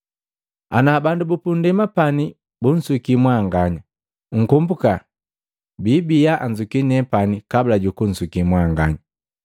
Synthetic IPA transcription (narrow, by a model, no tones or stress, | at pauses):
a̰nabandubupundɛmapani | bun̩sukimwaŋɡaɲa | ŋ̩kumbuka | bibijaʔaɲd͡ʒukinɛpanikabulaɟukun̩sukimwaŋɡa̰ɲa